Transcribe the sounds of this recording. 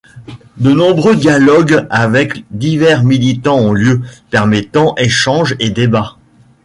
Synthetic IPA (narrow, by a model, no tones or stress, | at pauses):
d̪ənɔ̃bʁød̪jalɔɡavɛkd̪ivɛʁmilit̪ɑ̃ɔ̃ljøpɛʁmet̪ɑ̃ʔeʃɑ̃ʒed̪eba